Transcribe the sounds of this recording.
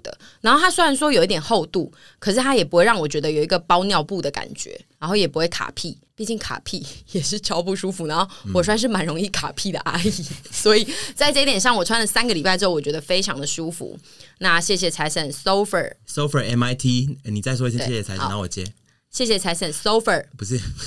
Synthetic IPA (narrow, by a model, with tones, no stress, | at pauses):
d̪ə̰˩˦ | na˧nxo˥˩ʊa˥swe˥ɻa˨˦nʂ̬wɔ˥jo˨ʊi˥t̪jɛ˨˩nxo˥˧ʊt̪u˥˩ | kʰɤ˨˩ʂɻ̩˥˩t̪ʰa˥jɛ˨˩pu˧˥we˥˧ɪɻɑ˥˩wɔ˨˩t͡ɕɥɛ˧˥d̪ə˧˨jo˨˩ʊi˧˥ɡə˧pɑ˥ʊnjɑ˥˧ʊpu˥˩d̪ə˩ka̰˨˩nt͡ɕɥɛ̰˧˦ɻa˧˥nxo˥˩ʊjɛ˨˩pu˧˥xwe˥˩ɪkʰa̰˨˩pʰi˥˩ | pi˥˧t͡ɕi˥˩ŋkʰa̰˨˩pʰi˥˩jɛ˨˩ʂɻ̩˥˩t͡ɕʰjɑ˥ʊpu˥˧ʂu˥fu˧˦na˧˦nxo˥˩ʊwɔ˨˩s̬wa˥˧nʂ̬ɻ̩˥˩ma˧˥nɻo˧˥ŋi˥˩kʰa̰˨˩pʰi˥˩d̪ə̰˩ʔa˥i˨˩swɔ˧˥i˨˩t͡sa˥˧ɪʈ͡ʂɤ˥˧i˥t̪jɛ˨˩nʂ̬ɑ˥˩ŋwɔ˨˩t͡sʰwa˥nlə˨˩sa˥nɡə˨li˨˩pa˥ɪʈ͡ʂɻ̩˥˩wɔ˨˩t͡ɕɥɛ˧˥ə˧fe˥ɪʈ͡ʂʰɑ˧˦ŋd̪ə˨ʂu˥fṵ˨˦ | na˥˨ɕjɛ˥˩ɕ̬jɛ˨t͡sʰa˧˥ɪsə˨˩nso˥ʊfə̰˨˩so˥˦ʊfə˨˩ɛ˧˥ma˧ɪt̪ʰi˥ni˨˩a˥˩ɪs̬ɔ˥˧˩e˥˩˥ɛ˥˩jɛ˨˩a˧ɪ˧˨na˧˦wɔ˨˩t͡ɕjɛ̰˧˥ | ɕjɛ˥˩ɕ̬jɛ˨t͡sʰa˧˥ɪsə˨˩nso˥ʊfə˨˩pu˧˦ʂɻ̩˥˩